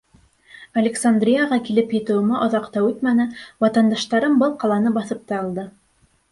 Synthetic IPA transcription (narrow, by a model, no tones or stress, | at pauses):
ɐlʲɪksand̪rʲijaʁɑkilɘpjɘ̆t̪ɘ̆wɘ̆mæʔŏðɑqt̪ɑwʉt̪mænɘwɑt̪ɑnd̪ɑʃt̪ɑɾɤmbɤlˠqɑlˠɑnɤbɑθɤp̚t̪ɑɑlˠd̪ɤ